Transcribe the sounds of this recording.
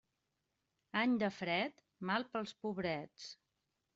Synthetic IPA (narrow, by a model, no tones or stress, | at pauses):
aɲd̪əfɾɛt̪ | malˠpəlˠspuβɾɛt͡s